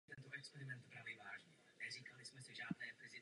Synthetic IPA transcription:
t̪ɛnt̪oʔɛkspɛɾɪmɛnt̪bɾaːvɪvaːʒɲɛ | nɛz̝iːkalɪsmɛsɪʒaːd̪nɛːpɾɪzɪ

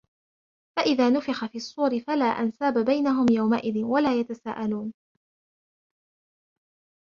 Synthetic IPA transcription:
faʔɪðaːnʊfɪxafiːsˤːuːɾɪfalaːʔansaːbabajnaɦʊmjawmaʔɪðɪnwalaːjat̪asaːʔaluːn

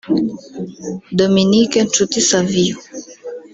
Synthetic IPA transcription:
d̪ominikentut̪isaviu

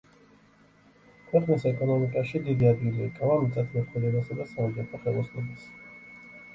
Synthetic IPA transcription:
kʰwɛqʼnisɛkʼɔnɔmikʼaʃid̪id̪iad̪ɡiliːkʼavamt̪sʼɛt̪ʰmɛχwɛlɛbasad̪asaɔmɡɛt̪ʰɔχɛlˠɔsnɔbas

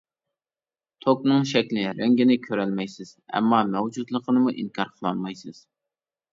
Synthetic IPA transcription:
t̪ʰoknɨŋʃɛkʲlɪɾæŋɡʲɪnɪkʲʰøɾɛlmɛjsɪz̥ɛ̰mːɑmɛwd͡ʒut̪lˠəqʰənɨmuʔiŋkʰɑɾqʰəlˠɑnmɑjsɨz̥

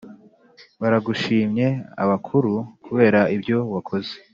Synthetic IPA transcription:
βaɾaɡuʃiːmɲe̞a̰βakʰuɾukuβe̞ːɾaibɟo̞wakʰo̞ze̥

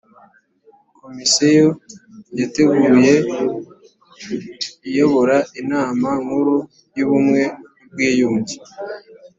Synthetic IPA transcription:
ko̞misejojate̞ɡuːje̞ | ijoβo̞ɾaʔinaːmaŋhuɾu | juβumŋe̞ | b̚ɡiːjuːɲɟi

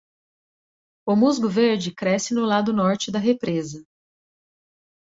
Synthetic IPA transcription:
ʊmuzɡʊveɾd͡ʒɪkɾɛsɪnʊlad̪ʊnɔɾt͡ʃɪd̪ɐɦepɾezɐ

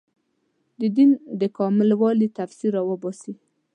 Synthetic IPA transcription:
d̪əd̪ind̪əkɑmɪlwɑlit̪afsiɾawəbɑsi

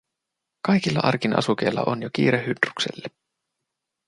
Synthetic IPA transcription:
kɑjkilːɑʔɑ̰rkinʔɑ̰suk̟e̞jlːɑ̰ʔonjok̟iːɾehydruksḛlːe

